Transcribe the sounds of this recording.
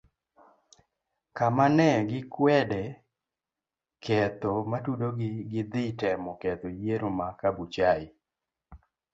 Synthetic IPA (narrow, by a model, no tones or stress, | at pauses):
kamanɛɡɪkwɛdɛ | kʰɛt̪ɔmatudoɡɡɪd̪ɪtɛmɔkɛt̪ojeɾomakabut͡ʃaɪ